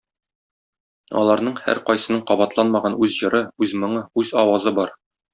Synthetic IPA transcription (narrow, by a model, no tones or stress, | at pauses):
ɒ̰lˠɑɾnɤɴhæ̰ɾqɒjsɤ̆nɤɴqɒbɑt̪lˠɑnmɑʁɑnʉzʑɤ̆ɾɤʉzmɤ̆ɴɤʉzɒwɑzɤbɒɾ